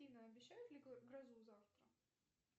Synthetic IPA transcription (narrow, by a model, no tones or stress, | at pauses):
inəɐbʲɪɕːæjʊt̪lʲɪɡɾɐzuzaft̪ɾə